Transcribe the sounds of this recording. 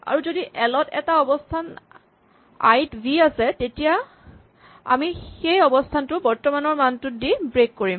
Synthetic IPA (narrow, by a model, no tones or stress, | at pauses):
a̰ɹuzodiʔɛlɔtɛ̰taɔbɔstʰan | a̰jtbʱiasɛtetija | a̰mixejɔbɔstʰantʊbɔɹtɔmanɔɹmantʊt̚dibɹekːoɹim